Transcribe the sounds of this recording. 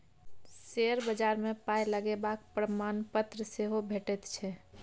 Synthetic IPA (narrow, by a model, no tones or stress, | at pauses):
seəɾbəd͡ʒaːɾmẽpajləɡebakpɾəmaːnpət̪ɾəseɦobʱeʈet̪t͡ʃʰɛ